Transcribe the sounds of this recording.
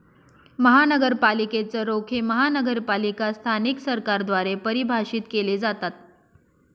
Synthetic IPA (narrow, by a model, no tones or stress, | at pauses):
məɦanəɡəɾpaliket͡səɾokʰeməɦanəɡəɾpalikast̪ʰaniksəɾkaɾd̪ʋaɾepəɾibʱaʂiːt̪keled͡zat̪at̪̚